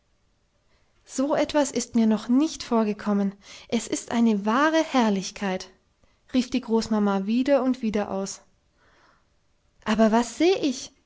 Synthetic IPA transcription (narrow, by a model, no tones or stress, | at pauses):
z̥oːʔɛtv̥asɪstmiːɐnɔχnɪçtfoːɐɡəkʰɔmənʔɛsɪstʔa̰ɪnəvaːʁəhɛɐlɪçkʰaɪt | ʁiːfd̥iːɡʁoːsmamaviːdɐʊntv̥iːdɐʔa̰ʊs | ʔaːbɐvasz̥eːʔɪç